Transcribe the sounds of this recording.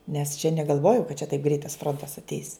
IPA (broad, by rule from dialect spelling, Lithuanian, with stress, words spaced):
nʲɛs t͡ʃʲɛ nʲɛɡɐlˠˈʋoːjoː kɐt t͡ʃʲɛ tɐɪp ɡrʲɛɪt ˈfroːntɐs ɐtʲˈɛɪs